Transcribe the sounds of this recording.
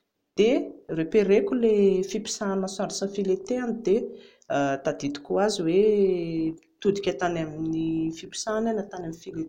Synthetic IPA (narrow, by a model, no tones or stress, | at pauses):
d̪̥erepeɾekʲulefipi̥sanmasaɾisafilet̪eanid̪e | d̪ad̪id̪i̥kʲuaziwe | t̪ud̪ikʲat̪anaminifipi̥sananat̪anaminfilet̪